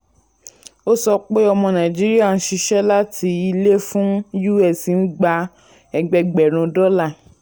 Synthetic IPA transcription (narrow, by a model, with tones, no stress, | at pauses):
o˦sɔ˧k͡pe˦ɔ˧mɔ̃˧nã˨d͡ʒi˦ɾi˦a˦˨ñ̩˦ʃi˧ʃɛ˦la˦ti˧i˧le˦fũ˦ju˦ɛ˦˨si˨n̩˦ɡ͡ba˧ | ɛ˧ɡ͡bɛ˧ɡ͡bɛ˨ɾ̃ũ˧dɔ˦la˦˨